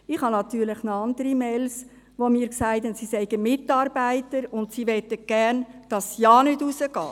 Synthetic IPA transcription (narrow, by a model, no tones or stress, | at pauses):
ɪχhɑnɑt̪yːɾləχnoɑndəɾimɛls | ʋomiːɾksæɪtənsisɛɪɡəmɪtːɑːɾbæɪtəɾʊntsiʋɛtəɡ̥æɾnd̥ɑsjɑːnʏdusəɡ̥ɑ̰ː